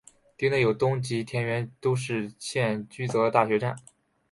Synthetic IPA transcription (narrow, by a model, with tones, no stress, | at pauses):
t̪i˥ŋnə˥˩jo˨˩ʊt̪ʊ˥ŋt͡ɕi˧˥t̪ʰjɛ˧˥nɥɛ˧˥nt̪o˥ʊʂɻ̩˥˧ɕjɛ˥˩nt͡ɕy˥t͡sɤ˧˥˧t̪a˥˩ɕɥɛ˧˥ʈ͡ʂa˥˩n